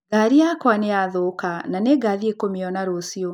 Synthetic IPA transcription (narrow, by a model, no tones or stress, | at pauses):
ɡaɾiakwaneaðokananeɡaðiekomiɔnaɾosiɔ